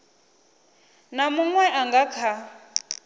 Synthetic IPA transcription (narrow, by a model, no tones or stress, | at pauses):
namuŋwɛʔaŋɡakʰa